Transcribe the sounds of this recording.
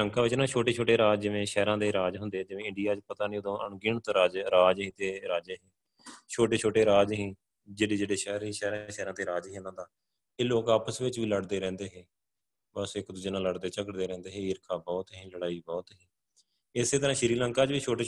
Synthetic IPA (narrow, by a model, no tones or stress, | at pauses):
əŋkaːʋɪt͡ʃnaːt͡ʃʰoːʈeːt͡ʃʰoːʈeːɾaːd͡ʒd͡ʒɪʋẽːʃɛːɾãːd̪eːɾaːd͡ʒɦʊnd̪eːɛːd͡ʒɪʋẽːɪ̃ɳɖijaːt͡ʃpət̪aːnĩːod̪õːʔəɳɡɪɳt̪õːɾaːd͡ʒɾaːd͡ʒɦĩːt̪eːɾaːd͡ʒeːɦẽː | t͡ʃʰoːʈeːt͡ʃʰoːʈeːɾaːd͡ʒɦĩː | d͡ʒeːɽeːd͡ʒeːɽeːʃɛːɾɦĩːʃɛːɾãʃɛːɾãːd̪eːɾaːd͡ʒɦĩːnãːd̪aː | eːloːkaːpəsʋɪt͡ʃʋiːləɽd̪eːɾɛ̃ːnd̪eːɦeː | bəsekd̪ʊd͡ʒɪnãːləɽd̪eːt͡ʃəkəʈd̪eːɾɛ̃ːnd̪eːɦẽːɾkʰaːbɔːt̪ɦĩːləɽaːiːbɔːt̪ɦĩː | ɪseːt̪əɾãːʃɪɾiːləŋkaːt͡ʃʋiːt͡ʃʰoːʈeː